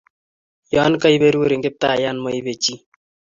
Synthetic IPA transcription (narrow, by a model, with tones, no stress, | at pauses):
jɔ˦nka˦jβe˦ɾuː˦ɾɪ˨ŋɡɪ˦p̚t̪aː˦˨ja˦nmɔ˦jbe˨t͡ʃi˦